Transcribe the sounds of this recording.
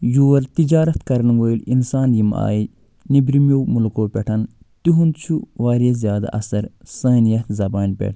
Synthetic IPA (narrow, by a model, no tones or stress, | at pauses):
juːɾt̪id͡ʒaːɾɐt̪kɐɾɐnʋojlinsaːnjima̰ːji | nibɾimjowmulkoːpʲeʈʰɐn | t̪iɦunt͡ʃʰuʋaːɾeːzʲjaːd̪a̰ʔɐ̰sɐɾsɐːnjɐt̪ʰzɐbaːnpʲḛʈʰ